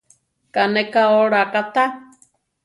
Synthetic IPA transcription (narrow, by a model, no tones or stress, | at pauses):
kanekaoɾakat̪a